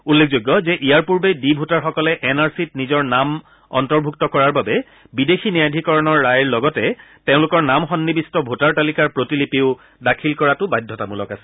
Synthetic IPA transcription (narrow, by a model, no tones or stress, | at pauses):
ulːek̚ʰzoɡːɔzɛʔijaɹpuɹbedibʱutaɹxɔkɔlɛʔɛnaɹsit̚nizɔɹnam | ɔ̰ntɔɹbʱuk̚tɔkɔɹaɹbabɛ | bidexʰinijadʱikɔɹɔnɔɹːajɹlɔɡɔtɛtẽʊ̃lʊkɔɹnamxɔnːibistɔbʱutaɹtalikaɹpɹotilipeʊ | dakʰilkɔɹatʊbajdʱːɔtamulɔkasɛ̥